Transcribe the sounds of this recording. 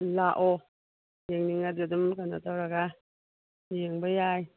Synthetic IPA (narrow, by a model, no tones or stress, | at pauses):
laʔɔ | jeŋniŋadɡɯdɯmkana̰t̪ʰawɾaɡa | jeŋbajaj